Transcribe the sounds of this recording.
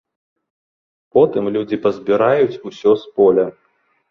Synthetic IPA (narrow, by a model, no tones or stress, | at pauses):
pɔt̪ɨmlʲud͡zʲipɐzʲbʲiɾajut͡sʲusʲɔspɔlʲɐ